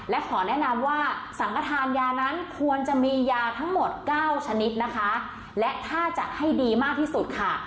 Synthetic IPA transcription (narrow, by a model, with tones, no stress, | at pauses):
lɛ˦˥kʰɔː˩˦nɛ˦˥ʔna˧mwaː˥˩sa˩˦nkʰa˧t̪ʰaː˧njaː˧na˦˥nkʰu˧ənt͡ɕa˨˩ʔmiː˧jaː˧t̪ʰa˦˥ŋmo˨˩t̪̚kaː˥˩wt͡ɕʰa˧ni˦˥t̪̚na˦˥kʰa˦˥ | lɛ˦˥t̪ʰaː˥˩t͡ɕa˨˩ʔha˥˩jdiː˧maː˥˩k̚t̪ʰiː˥˩su˨˩t̪̚kʰa˥˩